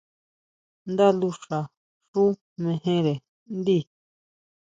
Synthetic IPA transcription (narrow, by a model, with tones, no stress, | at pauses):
nd̪a˦lu˧ʂa˨ | ʂu˦ | mẽ˧hẽ˦ɾe˨ | nd̪i˦˨